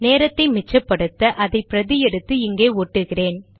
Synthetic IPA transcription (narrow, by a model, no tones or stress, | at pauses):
neːɾɐt̪ːɐɪmɪt͡ʃːɐpːɐɽɯt̪ːɐʔɐðɐɪpɪɾɐðɪjɛɽɯt̪ːɯɪŋɡeːoːʈːɯɣɪreːn